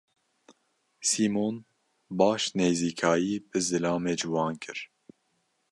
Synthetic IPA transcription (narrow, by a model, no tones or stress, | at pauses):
siːmoːn | bɑːʃneːziːkʰɑːjiːbɨzɨlɑːmeːd͡ʒɨwɑːnkʰɨɾ